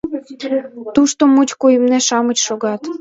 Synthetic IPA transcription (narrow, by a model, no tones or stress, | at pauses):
t̪uʃt̪omut͡ɕkujəmneʃɑmət͡ɕʃoɣɑt̪